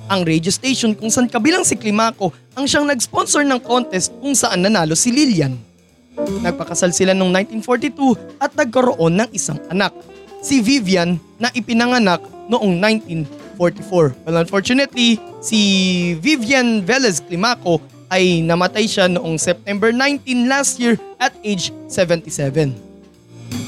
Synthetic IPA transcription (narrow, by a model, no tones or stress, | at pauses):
ʔɐŋɾɛd͡ʒost̪ejʃonkʊŋsɐʔankɐbilaŋsɪklɪmaːko̞ʔɐŋʃaŋnɐɡ̚spo̞nsoɹnɐŋko̞nt̪ɛst̪̚kʊŋsɐʔanːɐnaːlo̞sɪliljɐn | nɐɡ̚pɐkɐsalsɪlanoŋnãjnt̪infoɹt̪it̪uʔɐt̪̚nɐɡ̚kɐɾoʔo̞nːɐŋʔɪsa̰ŋʔɐnak̚sɪvivjɐnːɐʔɪpɪnɐŋɐnak̚noʔoŋnajnt̪infoɹt̪ifoɹwɛlɐnfoɹt͡ʃʊnɛt̪lisivivjɐnvɛlɛsklɪmako̞ | ʔɐjnɐmɐt̪ajʃanoʔo̞ŋsɛp̚t̪ɛmbɛɹnajnt̪inlast̪̚jiɹʔɐt̪̚ejd͡ʒsɛvɛ̃nt̪isɛvɛn